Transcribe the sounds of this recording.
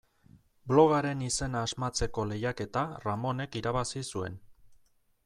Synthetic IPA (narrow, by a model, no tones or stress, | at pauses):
blo̞ɣaɾe̞nise̞naːzmat͡se̞ko̞le̞jake̞t̪aramo̞ne̞kiɾaβasisue̞̰n